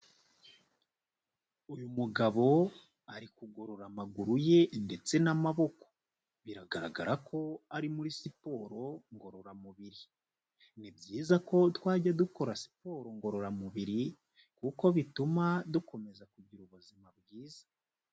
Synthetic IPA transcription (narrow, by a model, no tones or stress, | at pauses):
ujumuɡaβo̞ | aɾikuɡo̞ɾo̞ɾamaɡuɾuje̞nde̞t͡se̞namaβo̞ko̥ | βiɾaɡaɾa̰ɡa̰ɾakʰo̞aɾimuɾisipo̞ɾo̞ŋɡo̞ɾo̞ɾamuβiɾi | nibɟiːzako̞twaːɟaduko̞ɾasi̥po̞ɾo̞ŋɡo̞ɾo̞ɾamuβiɾi | kuko̞βitumaduko̞me̞zakuɟiɾuβuzimabɡiːza